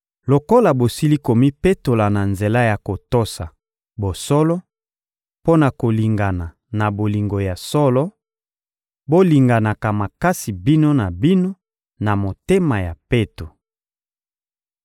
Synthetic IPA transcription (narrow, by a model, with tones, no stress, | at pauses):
lo˨ko˦la˨bo˨si˦li˦ko˨mi˦pe˦to˨la˨na˨nze˨la˦ja˨ko˨to˦sa̰˨ | bo˨sɔ˦lɔ˦ | po˦na˨ko˨li˨ŋɡa˨na˨ | na˨bo˨li˨ŋɡo˨ja˨sɔ˦lɔ˦ | bo˦li˨ŋɡa˨na˨ka˨ma˨ka˦si˨bi˦no˦na˨bi˦no˦ | na˨mo˨te˦ma˨ja˨pe˦to˨